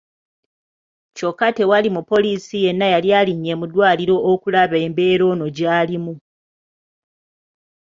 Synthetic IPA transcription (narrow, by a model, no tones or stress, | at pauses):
co̞kːate̞walimupːo̞lisije̞nːajaljaːliɲːe̞ːmudwaːliɾo̞ʔːkulaβe̞ːmbe̞ːɾo̞ːno̞ɟaːlimu